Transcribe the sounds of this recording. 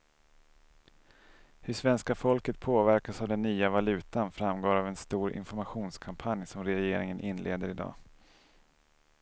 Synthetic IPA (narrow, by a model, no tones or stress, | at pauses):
hɵʂvɛnskafɔlkət̪̚pʰoːvæɾkasavd̪ɛnːyːavalʉ̟ːt̪anfɾamɡoːɾavɛnst̪uːɾɪ̰nfɔɾmaɧuːnskʰampʰanjsɔmɾɛjeːɾɪŋənʔɪnːlʔḛːd̪əɾɪd̪ɑ̰ː